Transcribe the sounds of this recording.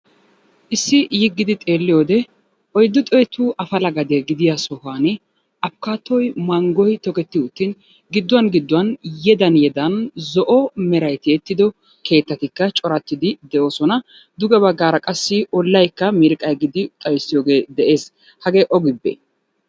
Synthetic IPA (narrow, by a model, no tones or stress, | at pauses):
ʔɪsːɪjɪɡːɪd̪ɪt̪ʼe̞ːlːɪjoːd̪ɛ | ʔɔjd̪ːʊt̪ʼɔjɛt̪uːʔɐfɐlɐɡɐd̪eɡɪd̪ɪjasɔhaːnɛ | ɐpkaːt̪ːɔjmɐŋɡɔjt̪ɔkɛt̪ːɪʊt̪ːɪn | ɡɪd̪ːʊwɐnɡɪd̪ːʊwɐnjɛd̪ɐnjɛd̪ɐnzɔʔɔmɛɾɐjt̪ɪɛt̪ːɪd̪ɔ | kʰe̞ːt̪ːɐt̪ɪkːɐt͡ʃʼɔɾɐt̪ːɪd̪ɪd̪ɛʔo̞ːsɔnɐ | d̪ʊɡɛbɐɡːaːɾɐkʼɐsːɪɔlːɐjkːɐmɪɾkʼɐjɡɪd̪ɪt̪ʼɐjsːɪjo̞ːɡe̞ːd̪ɛʔe̞ːs | hɐɡe̞ːʔɔɡɪbːɛ̰